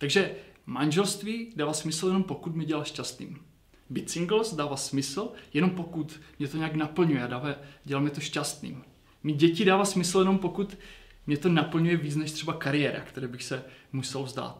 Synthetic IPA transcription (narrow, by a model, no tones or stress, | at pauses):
t̪aɡʒɛmanʒɛlst̪viːdaːvasmɪsl̩jɛnompo̞kut̪mɛɟɛlalʃcast̪nḭːm | bɪt͡sɪŋɡlost̪̚daːvasmɪsl̩jɛno̞mpokut̪mɲɛt̪oɲɛaknapl̩ɲujɛadaːvaɟɛlalmɲɛt̪o̞ʃcast̪nḭːm | mɪɟɛcɪdaːvaːsmɪsl̩jɛno̞mpo̞kut̪ | mɲɛt̪o̞napl̩ɲujɛviːt͡snɛʃt̪r̝ɛbakaɾɪjɛːɾa̰kt̪ɛɾɛːbɪxsɛmusɛlvzd̪a̰ːt̪̚